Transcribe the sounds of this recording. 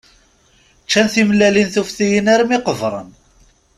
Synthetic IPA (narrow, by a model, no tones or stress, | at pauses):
t͡ʃːænθimlːælinθufθijənæɾmiqəvɾˤə̰n